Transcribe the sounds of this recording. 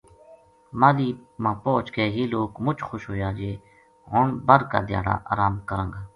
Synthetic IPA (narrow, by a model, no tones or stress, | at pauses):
maːliːmãːpoːt͡ʃkeːɦiːloːkmʊt͡ʃxoːʃɦoːjaːd͡ʒeː | oɳbəɾka̰ːd̪ɪja̰ːɽa̰ːʔa̰ːɾaːmkəɾə̃ŋɡaː